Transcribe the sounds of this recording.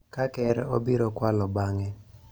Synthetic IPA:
kakɛɾo̰biɾɔkwalɔbaŋɛ

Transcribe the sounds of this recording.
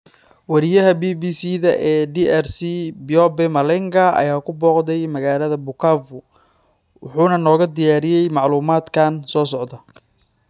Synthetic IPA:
wɐɾɪjɐɦɐbiːbiːsiðɐʔɛːɖiːʔɛrsibɔbɛmɐlɛŋɡɐɐ̰jaːkʰʊbɔːqd̪ɛjmɐɣaːlɐðɐbʊkʰaːvʊ | wʊħuːnɐnɔːɣɐd̪ɪjaːɾɪjɛjmɑʕluːmaːd̪kʰansɔːsɔʕd̪ɐ

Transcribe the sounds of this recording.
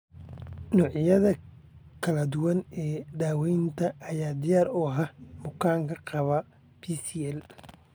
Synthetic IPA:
nɔːʕjɐðɐkʰɐlɐd̪ʊwɐnɛːd̪aːwɛjnt̪ʰɐʔːjaːd̪ɪjaːɾɔːɦɐmʊkʰaːŋkʰɐqɑβɐ | pʰiːsiːɛl

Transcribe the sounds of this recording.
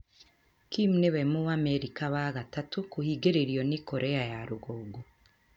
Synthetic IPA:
kimneβemuameɾikaβaɣatatukuhiːɡeɾeɾiɔnikoɾʔeajaɾuɣoːɡo

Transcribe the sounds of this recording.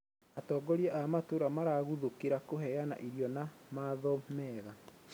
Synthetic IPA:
atɔːɡɔɾiaʔamatoɾamaɾaɣuðokeɾakoɦɛjana̰ʔiɾjɔnamaðɔmɛɣa

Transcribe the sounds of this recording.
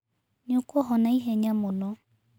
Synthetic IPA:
ɲokuɔɦɔnaiɦɛɲamonɔ

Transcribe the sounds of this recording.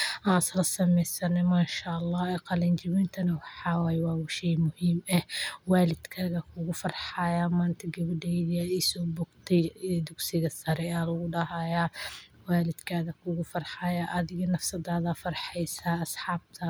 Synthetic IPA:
ʔãːnsɐlɐsɐmɛjsɐnɛmaːʃaʔɑlːɑːɛːqɑlɐnt͡ʃɐβɪnt̪ʰɐnɐwɑħɑːwaːjɛwɑːwɪʃɛjmʊhiːmɛwɑːlɪd̪kʰaːɣɐkʰʊɣʊfɐrħajaːmaːnt̪ʰɐɡɐβɪdɛðɪɐisɔːbɔːɡt̪ʰɛjd̪ʊɡsɪɣɐsɐɾɛaːlʊɣʊɖɐɦɐjaː | waːlɪd̪kʰaːðɐkʰʊɣʊfɐrħaːjaʔɐðɪɣɐnɐfsɐd̪aːðɐfɐrħɛjsaːɐsħɑːb̚t̪ʰɐ

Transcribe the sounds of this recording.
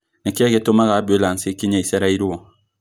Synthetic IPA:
nɛkɛketomaɣabolansekiɲaisɛɾaiɾuwɔ

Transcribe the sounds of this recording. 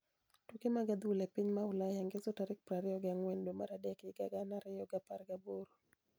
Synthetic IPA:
tukemaɡad̪uulɛpiɲmaulajaŋɡezɔtaɾik̚pɾaɾɛjɔɡaŋwɛndoma̰ɾadɛakiɡa̰ɡanaɾɛjɔɡapaɾɡaboɾu

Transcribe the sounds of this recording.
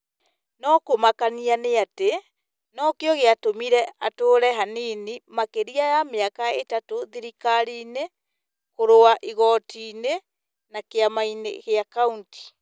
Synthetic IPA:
nɔkomakanianeate | nɔkejɔɣeatomiɾɛatoːɾɛɦaninimakeɾiajameakaetatoðiɾikaɾiːne | koɾoaʔiɣɔtiːne | nakeamainḛɣeakaunti̥

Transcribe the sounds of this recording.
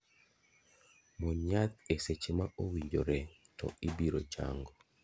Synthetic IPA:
mɔɲat̪̚eset͡ʃemaʔowiɲd͡ʒoɾɛtɔ̰ɪbiɾot͡ʃa̰ŋɡɔ

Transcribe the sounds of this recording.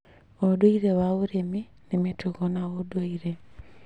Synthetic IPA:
odwoiɾewauɾemi | nemituɣonaodwoiɾe

